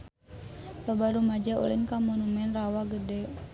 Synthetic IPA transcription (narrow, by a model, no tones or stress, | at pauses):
babaɾumad͡ʒaṵlinkamɔnumɛnrawaɡədɛ